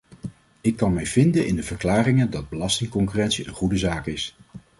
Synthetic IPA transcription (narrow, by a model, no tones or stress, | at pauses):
ɪkːɑnmɛjvɪndənʔɪ̰ndəvəɹklaːrɪŋəndɑd̚bəlɑstɪŋkɔŋkyrɛntsiə̰nχudəzaːkɪs